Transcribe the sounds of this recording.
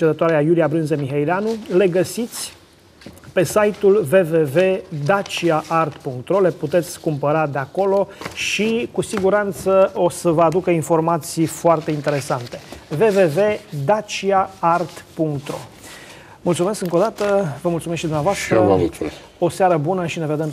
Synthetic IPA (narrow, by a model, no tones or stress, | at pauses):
ed̪ət̪oaɾeajuliabɾɨnzemiɦejleanule̞ɡəsit̪sʲ | pe̞sajt̪ulve̞ve̞ve̞d̪at͡ʃiaʔart̪puŋkt̪ɾo̞le̞put̪e̞t̪sʲkumpəɾad̪eako̞lo̞ʃikusiɡuɾant̪səosəvəad̪ukəinfo̞rmat̪sijfoart̪e̞int̪e̞ɾe̞sant̪e̞ve̞ve̞ve̞d̪at͡ʃiaart̪puŋkt̪ɾo̰ | mult̪sume̞skɨŋko̞d̪at̪əvəmult̪sumestʃid̪umnavoast̪ɾə | o̞seaɾəbunəʃine̞ve̞d̪e̞m